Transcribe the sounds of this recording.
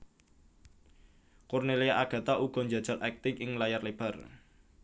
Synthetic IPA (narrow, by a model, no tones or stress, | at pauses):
kurnelejaʔaɡ̥ä̤t̪aʔuɡ̥ɔ̤ɲd͡ʒa̤d̥d͡ʒʒ̥a̤lʔɛk̚t̪ɪŋʔɪŋlajarleb̥a̤r